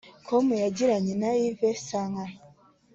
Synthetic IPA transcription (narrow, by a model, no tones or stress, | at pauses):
kʰomujaɟiɾaɲenaivesaŋɡa